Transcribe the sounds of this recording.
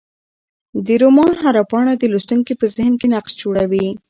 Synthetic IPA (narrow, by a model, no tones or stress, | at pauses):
d̪əɾomɑnɦaɾapɑɳad̪əlust̪uŋkipəzɪhnkenaqsd͡ʒoɽawi